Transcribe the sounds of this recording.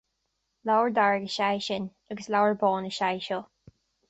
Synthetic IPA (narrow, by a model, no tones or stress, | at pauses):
lawəɹd̪aɹɡəʃajʃɪn | əɡəslawəɹbɔːnəʃajʃɔ